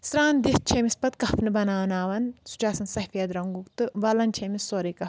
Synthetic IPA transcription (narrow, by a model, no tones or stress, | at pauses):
sɾaːnd̪ist̪̚t͡ʃʰemispɐt̪̚kɐfnɨbɐnaːʋnaːʋɐnsu̥t͡ʃaːsɐnsɐɦfijɐd̪ɾɐŋɡukt̪ɨʋɐlɐnt͡ʃʰemisoːɾiːkɐf